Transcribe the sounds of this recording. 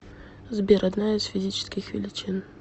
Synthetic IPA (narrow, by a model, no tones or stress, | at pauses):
zbʲeɾɐd̪najɪz̥fʲɪzʲit͡ɕɪ̥skʲɪxvʲɪ̰lʲɪt͡ʃin